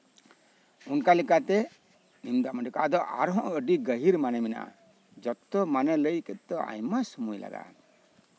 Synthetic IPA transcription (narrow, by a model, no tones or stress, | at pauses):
unkalikat̪ɛ | nimd̪aməɳɖikad̪ɔʔaɾɦɔ̃ʔɡəɖiɡəɦiɾmanɛmina̰ʔ | d͡ʒɔt̪ːɔmanɛləjkət̪ɔʔa̰jmasumujla̰ɡa̰ʔ